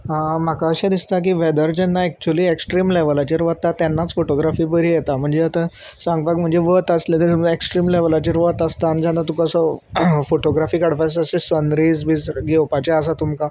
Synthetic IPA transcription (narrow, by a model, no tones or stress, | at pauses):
m̤akaəɕãd̪ist̪ak̬iːʋɛd̪əɾd͡ʑɛnːaɛk̚t͡ɕuliːeksʈɾiːmleʋəlat͡ɕeɾʋət̪ːat̪janːat͡sfoʈoɡɾafiːbəɾiːjet̪am̤əɳd͡zeət̪a | sãŋɡbakm̤əɳd͡zeʋət̪əslat̪em̤əeksʈɾiːmleʋəlat͡ɕeɾʋət̪əst̪and͡ʑanːat̪ukəsəfoʈoɡɾafiːkaɽpasəsesənɾiːd͡zbʱiːd͡zɡewpat͡ɕeəs̬at̪umka